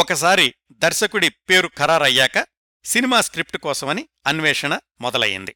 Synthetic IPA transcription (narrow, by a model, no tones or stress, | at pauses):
ɔkɐs̬aːɾi | d̪ɐɾʃɐkuɽipe̞ːɾukʰɐɾaːɾɐjːaːkɐ | sinimaːskɾip̚ʈukɔːsɐmɐni | ɐnʋɛːʂɐɳɐ | mɔd̪ɐlɐ̰jḭnd̪i